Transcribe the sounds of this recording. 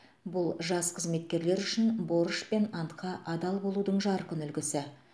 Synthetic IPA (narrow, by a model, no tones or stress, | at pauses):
bʊlˠʒɑsqʰəzme̞t̪̚kʲe̞ɾle̞ɾʏʃɪnbo̞ɾəʃpe̞nɑnt̪qʰɑʔɑd̪ɑlˠbo̞lˠud̪əɴʒɑɾqənʏlɡʲɪsɪ